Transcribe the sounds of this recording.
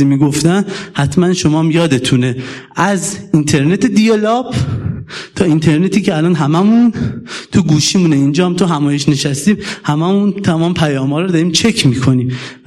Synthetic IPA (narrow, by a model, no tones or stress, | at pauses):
imiːɡoft̪ænhæt̪ʰmænʃo̞mɒːmjɒːd̪e̞t̪ʰuneʔæzint̪ʰe̞ɾne̞t̪ʰed̪ijelɒb | t̪ʰɒːint̪ʰe̞ɾne̞t̪ʰiːceælɒːnɦæmæmunt̪ʰuɡuːʃiːmuːneind͡ʒɒːhæmt̪ʰoɦæmɒːje̞ʃne̞ʃæst̪iːmhæmæmunt̪ʰæmɒːmepʰæjɒːmɒːɾɔd̪ɒɾiːmt͡ʃʰe̞cʰmiːkʰo̞niːm